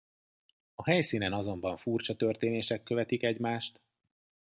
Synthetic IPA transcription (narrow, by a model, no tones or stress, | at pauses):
ɒɦɛjsiːnɛnɒzo̞mbɒɱfurt͡ʃɒt̪ø̞rt̪eːneːʃɛkːø̞vɛt̪ikɛɟmaːʃt̪